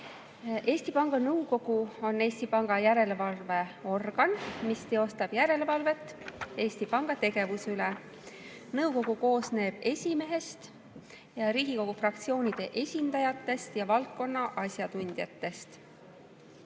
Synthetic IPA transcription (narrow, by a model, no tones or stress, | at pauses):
e̞ːsʲt̪ipɑŋɡ̥ɑnɤwko̞ɡ̥uo̞nːe̞ːsʲt̪ipɑŋɡ̥ɑjæɾe̞le̞vɑlve̞o̞rɡ̥ɑnmist̪e̞o̞st̪ɑb̥jæɾe̞levɑlve̞t̪ːˑe̞ːsʲt̪ipɑŋɡ̥ɑt̪e̞ɡ̥e̞vusyle | nɤwko̞ɡ̥uko̞ːsne̞ːb̥e̞sʲime̞ɦe̞st̪ | jɑɾiːɡ̥iko̞ɡ̥ufrɑkt̪sio̞ːnʲid̪̥e̞ʔe̞sʲind̪̥ɑjɑt̪ːe̞st̪jɑvɑlt̪̚ko̞nːɑʔɑsjɑt̪unʲd̪̥jɑt̪ːe̞st̪